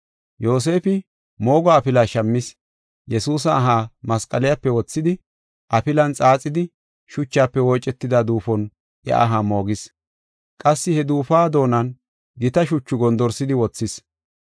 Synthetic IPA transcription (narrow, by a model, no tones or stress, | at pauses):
jo̞ːs̬e̞ːfɪ | mo̞ːɡaːpɪlaːʃɐmːɪs | jɛsuːs̬ɐːɦaːmɐskʼɐlɪjɐpːɛwɔt͡sːɪd̪ɪ | ʔɐpɪlɐnt͡sʼaːt͡sʼːɪd̪ɪ | ʃʊt͡ʃːaːpːɛwɔːt͡ʃʼɛt̪ːɪd̪ad̪uːfɔn | ʔɐ̰ʔɐɦamo̞ːɡɪs | kʼɐsːɪhɛd̪uːfaːd̪o̞ːnɐn | ɡɪt̪ɐʃʊt͡ʃːʊɡɔnd̪ɔɾsɪd̪ɪwɔt͡sːɪs